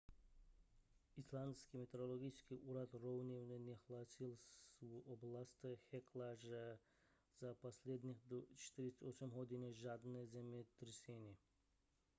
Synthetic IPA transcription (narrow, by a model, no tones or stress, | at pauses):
islˠanskimet̪eɾolˠoɡiskiʔuɾad̪ɾowniwnnʲexlˠasilˠsuoblˠast̪exekʰlaʒa | z̥aposlʲed̪nixd̪ot͡ʃe̥t̪iɾist̪osamɦod̪ineʒad̪nezemet̪ɾsene